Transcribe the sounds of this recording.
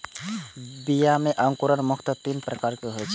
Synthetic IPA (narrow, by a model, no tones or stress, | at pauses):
bijameʔəŋkuɾəɾmʊkʰt̪ət̪inpɾəkaɾkeɦojt͡ʃʰe